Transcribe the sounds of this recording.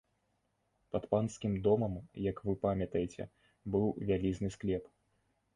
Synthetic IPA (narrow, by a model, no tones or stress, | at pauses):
pɐt̪panskʲimd̪ɔmɐmjɐkvɨpamʲɐt̪ɐjɛt͡sʲɛ̰ | bɨwvʲalʲiznɨsklʲɛp